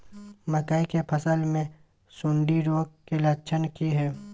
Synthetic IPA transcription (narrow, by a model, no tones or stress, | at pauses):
məkəikepʰəsəlmẽ | sʊ̃ɳɖiɾoːɡ̚kelɐːt͡ʃʰənkiɦɛː